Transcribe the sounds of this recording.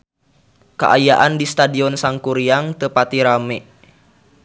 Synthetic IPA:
ka̰ʔajaʔandist̪adiɔnsaŋkuɾiaŋt̪əpat̪iɾamɛ

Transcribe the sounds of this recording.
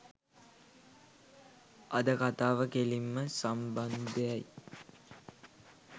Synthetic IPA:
ɐd̪əkat̪aːʋəkelimːəsamband̪ejaj

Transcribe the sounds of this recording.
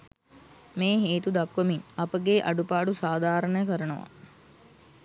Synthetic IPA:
meːɦeːt̪ud̪akʋəmiŋɐpəɡeːʔaɖupaːɖusaːd̪ʱaːɾənəjəkəɾənəʋa̰

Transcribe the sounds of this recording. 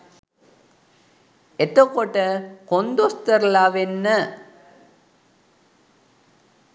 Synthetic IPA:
ɛt̪ːokːoːʈːɐkɔnd̪ost̪ɐɾlaːʋenːɐ

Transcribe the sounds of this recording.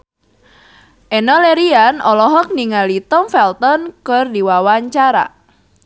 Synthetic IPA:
ʔenɔleɾianɔlɔɦɔk̚niŋalit̪ɔmfɛlt̪ɔnkərdiwawaɲt͡ʃaɾa̰

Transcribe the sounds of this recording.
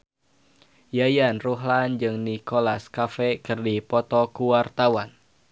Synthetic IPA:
jajanruɦland͡ʒɨŋnikolaskafɛkɨrdipɔt̪ɔkuwart̪awan

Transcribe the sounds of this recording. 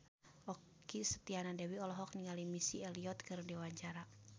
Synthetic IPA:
ʔɔkː | isə̥t̪ianadɛwiɔlɔɦɔk̚niŋalimisiɛliɔt̪̚kɨrdɛwaɲt͡ʃaɾa

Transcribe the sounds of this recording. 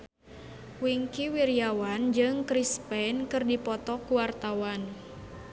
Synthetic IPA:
wiŋkiwiɾiawand͡ʒɨŋkɾispɛnkɨrdipɔt̪ɔkuwart̪awan

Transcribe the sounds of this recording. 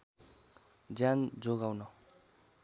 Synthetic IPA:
d͡zjand͡zoɡawnʌ

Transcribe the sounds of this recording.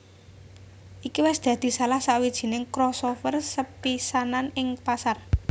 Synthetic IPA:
ʔikiwɪsd̪̥ä̤d̪̥i̤salahsawid̥ʒ̥i̤nɪŋkɾɔsofərsəpisananɪŋpasar

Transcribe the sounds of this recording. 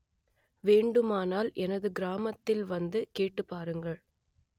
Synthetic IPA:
ʋeːɳɖɯmaːnaːlʔɛnɐðɯɡɪɾaːmɐt̪ːɪlʋɐnd̪ɯkeːʈːɯpːaːɾɯŋɡɐɭ

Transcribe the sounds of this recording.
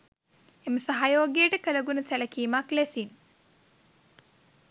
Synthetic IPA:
eməsaɦajoːɡijəʈəkələɡunəsælɐkiːmaklesin

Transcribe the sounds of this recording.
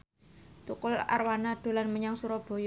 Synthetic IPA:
t̪ukʊla̰rwanad̪̥o̤lanməɲaŋsuɾɔb̥o̤j

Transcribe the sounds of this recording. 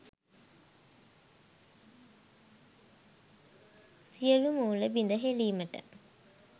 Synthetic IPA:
sijəlumuːləbind̪əɦeliːməʈə̰

